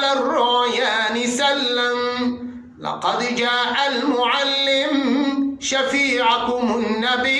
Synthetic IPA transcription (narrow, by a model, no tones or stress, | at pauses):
larːʊʔjaːnɪsalːam | lɑ̰qɑd̪d͡ʒaːʔalmʊʕalːɪmʃafiːʕakʊmʊnːabi